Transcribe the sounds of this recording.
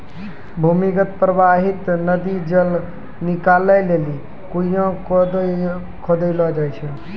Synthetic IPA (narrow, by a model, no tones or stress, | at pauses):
bʱumikət̪̚pɾəbaɦit̪nəd̪id͡ʒəl | nikaləjleli | kuijãd̪ | kʰɔd̪əlɔd͡ʒajt͡ʃʰɛ